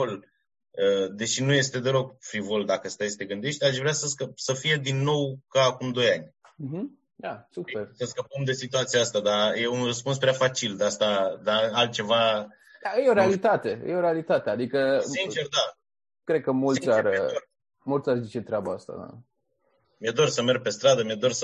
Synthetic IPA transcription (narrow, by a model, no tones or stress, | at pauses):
ol | əd̪e̞ʃinuje̞st̪e̞d̪e̞lo̞ɡ̚fɾivo̞ld̪akəst̪ajest̪e̞ɡɨnd̪eʃt̪ʲaʃvɾeasəskəpsəfije̞d̪inːo̞wkaːkumd̪o̞janʲ | m̩ɦ̩ | d̪asupersəskəpəmd̪e̞sit̪uat̪sijaast̪ad̪aje̞unrəspunspɾeafat͡ʃild̪ast̪ad̪aalt̪̚t͡ʃe̞va | ajeo̞ɾealit̪at̪e̞ɨ̰jeo̞ɾealit̪at̪e̞ad̪ikəsint͡ʃerd̪a | kɾed̪̚kəmultsisʲaro | mult̪sʲarzit͡ʃe̞t̪ɾeabaast̪a̰d̪a̰ | mied̪o̞rsəme̞rɡ̚pe̞st̪ɾad̪əmied̪o̞rsə